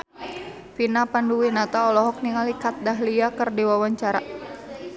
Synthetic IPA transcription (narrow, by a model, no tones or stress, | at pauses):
finapanduwinat̪aɔlɔɦɔk̚niŋalikat̪̚daɦliakərdiwawaɲt͡ʃaɾa̰